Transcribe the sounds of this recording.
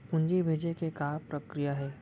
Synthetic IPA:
pʊ̃ɲd͡ʒibʱeːd͡ʒekekaːpɾəkɾijaɦɛː

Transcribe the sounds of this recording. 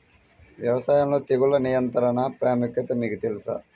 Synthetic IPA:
ʋjɐʋɐsaːjamloːt̪eɡulɐnijɐnt̪ɐɾɐnɐpɾaːmukːɐt̪ɐmiːkut̪elisɐ̰

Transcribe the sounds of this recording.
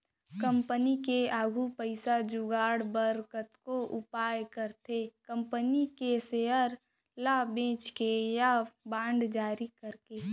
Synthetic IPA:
kə̃mpənikeaːɡʱupəɪsad͡ʒuɡaːɽbəɾkət̪koʔʊpaːjkəɾt̪ʰekə̃mpənikeseəɾ | labẽːt͡ʃkejabãːɳɖd͡ʒaːɾikəɾkeː

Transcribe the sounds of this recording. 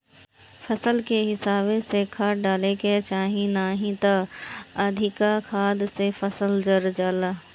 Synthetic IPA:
fʰɐsəlkeɦɪsaːbẽsekʰaːʈɖaːleket͡ʃaːɦĩnaːɦĩt̪aɐd̪ʱɪkakʰaːd̪sefɐsəld͡ʒəɾd͡ʒaːlaː

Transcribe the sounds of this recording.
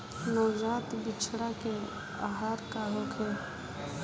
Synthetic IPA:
nɔːd͡ʒaːt̪bɪt͡ʃʰɽake | a̰ɦaːɾkaɦoːkʰɛː

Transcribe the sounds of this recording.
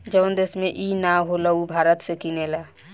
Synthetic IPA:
d͡ʒənd̪esmẽʔinaɦolaubʱaɾət̪sekinela

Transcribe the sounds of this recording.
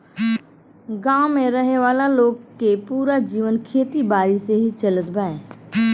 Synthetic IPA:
ɡaːʊmẽɾəɦeʋaːlaloːɡkepuːɾad͡ʒiːʋənkʰeːt̪ibaːɾiseɦit͡ʃɐlət̪baːeː

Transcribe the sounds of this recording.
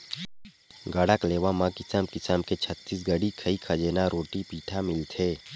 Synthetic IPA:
ɡəɽəkleːʋamãkɪsəmkɪsəmket͡ʃʰət̪ːiːs̬ɡəɽikʰɐikʰəd͡ʒeːnaɾʔoːʈipiːʈʰamɪlt̪ʰeː

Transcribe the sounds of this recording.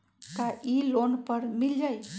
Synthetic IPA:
kaʔilonpəɾmild͡ʒaj

